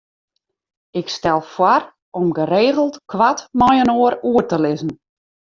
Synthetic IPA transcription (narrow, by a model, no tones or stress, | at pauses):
ɪkstɛlˠfwar | ɔmɡəɾeːɣəl̩ˠtkʰwatmɔjənoəɾuətəlɪzn̩